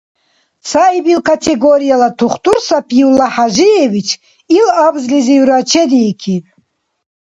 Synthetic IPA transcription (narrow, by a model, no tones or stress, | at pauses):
saibilkʰat̪ʰɛɡɔɾijalat̪ʰuχt̪ʼuɾsapʰjiwlaħaʒijɛvit͡ʃʰ | ilabzliziuɾat͡ʃʰɛd̪iːkʰin